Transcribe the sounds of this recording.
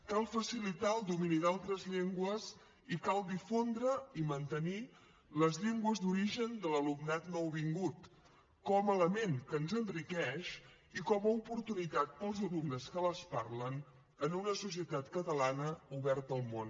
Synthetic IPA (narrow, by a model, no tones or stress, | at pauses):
kalˠfəsilit̪aəlˠd̪uminiðalˠt̪ɾəzʎeŋɡwəz | ikalˠd̪ifond̪ɾəimənt̪əni | ləzʎeŋɡwəzd̪uɾiʒənd̪ələlumnat̪nɔwβiŋɡut̪ | kɔmələmeŋkənzənrikɛʃ | ikɔməupuɾt̪unit̪at̪̚pəlˠzəlumnəskələspaɾlən | ənunəsus̬iət̪at̪kət̪əlanəuβɛrt̪əlˠmon